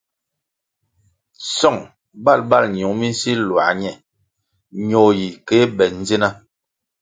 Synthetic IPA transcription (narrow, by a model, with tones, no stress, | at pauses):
sɔ˦˨ŋ | ba˦˨lba˦˨lɲ˨u˨˦mi˦n˦si˦lwa̰˨ɲɛ˦˨ | ɲo˨ji˨ke˨˦bɛ˨n˦ze˦na˦